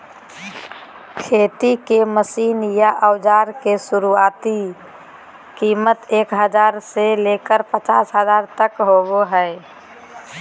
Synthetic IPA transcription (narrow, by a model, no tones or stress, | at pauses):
kʰeːt̪ikeməsiːnjaʔəʊd͡ʒaːɾkesʊɾuaːt̪i | kiːmət̪eːkɦəd͡ʒaːɾselekəɾpət͡ʃaːsɦəzaːɾt̪əkɦoɡoɦɛɪ